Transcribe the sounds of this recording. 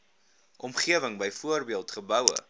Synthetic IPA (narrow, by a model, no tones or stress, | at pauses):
ʔɔmχiəvəŋbəjfuərbiəlˠtχəbœwə̰